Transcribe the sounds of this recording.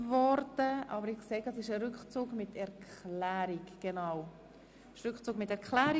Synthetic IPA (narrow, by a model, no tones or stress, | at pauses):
vɔɾdəʔɑ̰bəɾɪχkseːɡəsɪʃəɾʏkχt͡suːɡmɪtʰɛɾklæːɾiɡɡ̥enaw | ʃɾʏkχt͡suːɡmɪtːɛɾkχlæːɾi